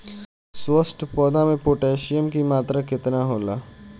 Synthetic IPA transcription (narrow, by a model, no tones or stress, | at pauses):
swəsʈpɔːd̪amẽpoːʈeːʃɪjəmkimaːt̪ɾakɪt̪naɦoːlaː